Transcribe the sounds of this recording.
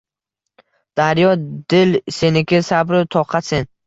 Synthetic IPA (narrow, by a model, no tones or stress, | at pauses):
d̪̥aɾjɒd̪ɪlsenɪkʲɪsabɾɪt̪ʰɒqʰɑt̪sen